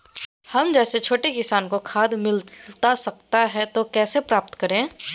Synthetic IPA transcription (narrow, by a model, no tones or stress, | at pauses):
hɐmd͡ʒɛːset͡ʃʰoːʈekɪsaːnkokʰaːd̪mɪlt̪asɐk̚t̪aɦɛt̪okɛːsepɾaːp̚t̪kɐɾẽː